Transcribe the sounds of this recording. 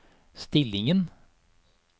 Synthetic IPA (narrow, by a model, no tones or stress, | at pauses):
st̪ɪlɪŋən